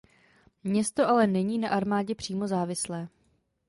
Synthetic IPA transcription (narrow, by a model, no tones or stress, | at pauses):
mɲɛst̪o̞ʔalɛnɛɲiːnaʔaɾmaːɟɛpr̝̥iːmo̞zaːvɪslɛː